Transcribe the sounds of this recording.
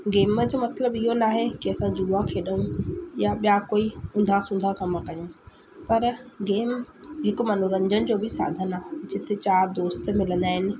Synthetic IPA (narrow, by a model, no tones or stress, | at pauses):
ɡeːməd͡ʑoːmɐt̪ləbɪɦonaːɦekiɐsãd͡ʑuːʋãkʰeːɗəɦũjaɓjakoːiʊ̃nd̪ʱasʊ̃nd̪ʱakɐmkɐjõ | pɐɾɡeːmɦɪk̆mɐnoɾə̃ɲd͡ʑənɪ̆d͡ʑoːbʱɪsa̰ːd̪ʱənaːɦd͡ʑɪt̪ʰet͡ɕaːɾd̪oːst̪̆mɪlə̃nd̪aːɦɪnɪ̆